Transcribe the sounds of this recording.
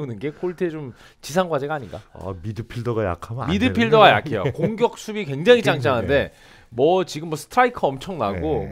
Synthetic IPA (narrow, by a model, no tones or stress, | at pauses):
unɯnɡe̞kʰoɭtʰɯet͡ɕom | t͡ɕisʰaŋɡwad͡ʑe̞ɡaːɲinɡa̰midɯpʰiɭdʌɡaja̰kʰammidɯpʰiɭdʌɡaja̰kʰejokoŋɡjʌk̚s͈ʰubikwe̞ŋd͡ʑaŋit͡ɕaŋd͡ʑaŋɦannde̞ | mʌt͡ɕiɡɯmːʌsʰɯ̥tʰɾaikʰɯʌmt͡ɕʰʌŋnaɡo